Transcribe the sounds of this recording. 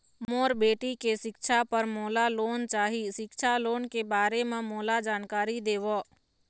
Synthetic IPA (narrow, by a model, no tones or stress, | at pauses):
mmoːɾbeːʈikeʃɪkʃʰapəɾmɔːlaloːnt͡ʃaːɦiʃɪkʃʰaloːnkebaːɾemãmɔːlad͡ʒaːnkaːɾid̪eːʋɔ